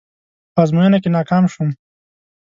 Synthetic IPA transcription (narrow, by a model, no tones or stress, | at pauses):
pazmujanakenɑːkɑːmʃum